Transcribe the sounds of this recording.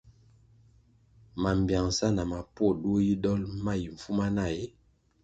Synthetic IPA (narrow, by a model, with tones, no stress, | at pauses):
ma˨m˨bja˨ŋsa˦na˨ma˨pwɔ˦˨dwo˦ji˦dɔ˦lma˦˨ji˨ɱ̩˨fu˦ma˦na˦˨je˦